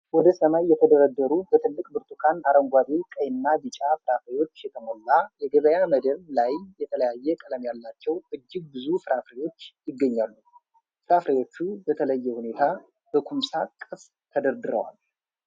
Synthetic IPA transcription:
wɔd̪əsəmajːɛt̪ʰəd̪əɾəd̪ːəɾubət̪ʰɨlːɨkʼbɨɾt̪ʼukʰant̪ʰaɾəŋɡʷad̪ikʼəjnːab̪ɨt͡ʃʼafɨɾafɾewo̞t͡ʃːjɛt̪ʰəmolːajɛɡəβəjaməd̪əllajːɛt̪ʰələjajːɛkʼələmjalːat͡ʃːɛwʔɨd͡ʒːɪɡ̚bɨzufɨɾafɾewo̞t͡ʃːjɪɡːəɲːalːu | fɨɾafɾewo̞t͡ʃːubət̪ʰələjːɛhune̞t̪ʰa | b̥əkʰʷumsakʼɨf | t̪ʰəd̪əɾd̪ɨɾə̰wa̰l

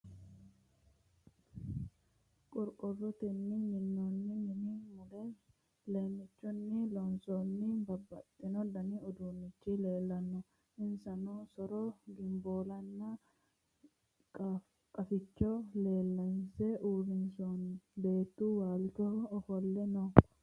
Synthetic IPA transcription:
kʼɔɾkʼɔrːɔt̪ɛnːɪɲɪnːɔnːɪnɪnɪmʊlɛ | leːmːɪt͡ʃːʊnːɪlɔnsɔnːɪbɐbːɐ̰t̪ʼːɪnɔd̪ɐnɪɔd̪uːnːɪt͡ʃːɪle̞ːlːɐnːʊ | ʔɪnsɐnɔsɔɾɔɡɪmboːlɐnːɐ | kʼ | kʼɐfɪt͡ʃːɔle̞ːlːɐnsɛʔuːɾɪnsonbe̞ːt̪ːuwaːlt͡ʃɔːfɔlːɛnɔ

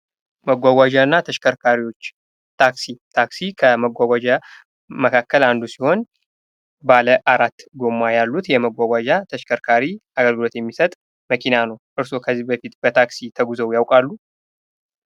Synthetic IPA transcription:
məɡʷaɡʷwʷad͡ʒaɨnːat̪ʰəʃkʰəɾkʰaɾiwo̞t͡ʃː | t̪ʰaksit̪ʰaksikʰəməɡʷaɡʷad͡ʒa | məkʰakːəland̪usiho̞n | baləʔaɾat̪ːɡo̞mːajalːut̪jɛməɡʷaɡʷad͡ʒat̪ʰəʃkʰəɾkʰaɾiaɡəlɡɨlo̞t̪jɛmːisət̪ʼ | məkʰinanəwʔɨɾso̞kʰəzːibəfit̪bət̪ʰaksit̪ʰəɡuzəwjawkʼalːu

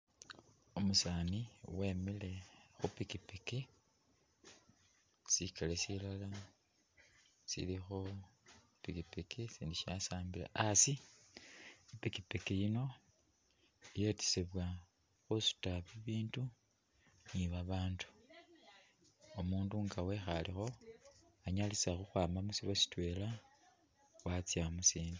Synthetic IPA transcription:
omusaːniwe̞mile̞xupikipeke | sikalesilala | sḭlixo | pikipekʰesiːndiʃiasaːmbila̰asi | epikipekejino̞ | ije̞ti̥seβwa | xusu̥taβiβiːndu | niβaβaːndu̥ | omuːnduːŋɡawe̞xalixo̞ | aɲalisaxuxwaːmamusiβasi̥twe̞ːla | wat͡sjamusiːndu

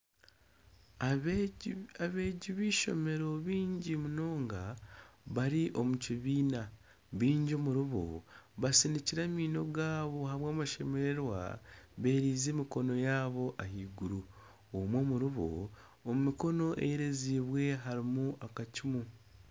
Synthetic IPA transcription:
aβe̞ːɟiβiːʃo̞̰me̞ɾo̞βiːɲɟimuno̞ːŋɡaβaɾiʔo̞muciβiːna | βiːɲɟomuɾuβo̰βasiniciɾamiːno̞ɡaːβo̞haβwaːmaʃe̞meɾeɾwa̰βe̞ːɾiːzeːmiko̞no̞jaːβo̞ʔaɦiːɡuɾu | omwo̞ːmuɾuβo̰ | omumiko̞no̞ʔḛjeɾe̞ziːβwe̞ɦaɾimuʔakacimu

